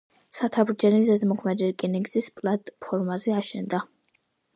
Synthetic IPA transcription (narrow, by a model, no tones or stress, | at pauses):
sat̪ʰabɾd͡ʒɛnizɛzmɔχʰmɛd̪iɾkʼiniɡz̥ispʼlˠat̪ʼpʰɔɾmazɛaʃɛnd̪a